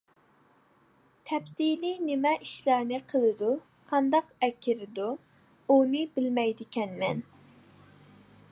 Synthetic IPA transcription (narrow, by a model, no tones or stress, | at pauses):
t̪ʰɛpsilinɪmɛʔiʃlæɾnɪqʰəlˠɨd̪u | qʰɑnd̪ɑqɛkʲʰːɪɾɪd̪u | unɨbɪlmɛjd̪ɪkʲʰɛnmɛn